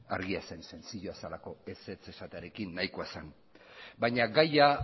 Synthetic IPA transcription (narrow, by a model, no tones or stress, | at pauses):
a̰ɾɣiase̞nse̞nt͡siʎoasalako̞e̞se̞t͡se̞sat̪eaɾe̞kinːajkoasan | bajɲaɡaja